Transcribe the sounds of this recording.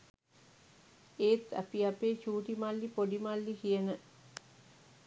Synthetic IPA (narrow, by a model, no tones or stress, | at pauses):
eːt̪æ̰piapeːt͡ʃuːʈimalːipoɖimalːikijənə